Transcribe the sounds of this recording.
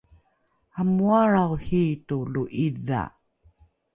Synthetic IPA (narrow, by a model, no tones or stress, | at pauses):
hamuaɾawhituluʔiða̰